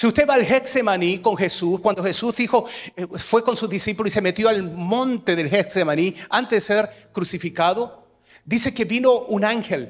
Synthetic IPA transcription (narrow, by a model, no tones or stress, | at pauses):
siust̪eβaːlxeksemaniko̞ŋxe̞suskwand̪oxe̞suzðixo̞fwe̞ko̞nsuzðisipulosi̥se̞met̪jo̞almõ̞nt̪e̞ðe̞lxeksemaniant̪ezðese̞ɾkɾusifikaðo̞ | d̪ise̞ke̞βino̞unaŋxel